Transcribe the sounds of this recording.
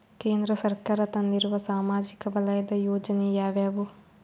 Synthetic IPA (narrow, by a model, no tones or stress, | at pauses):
kẽːnd̪ɾəsəɾkaːɾət̪ãnɪɾʋəsaːmaːd͡ʒɪkʋələjd̪ajoːd͡ʒnejaːʋɛːbuː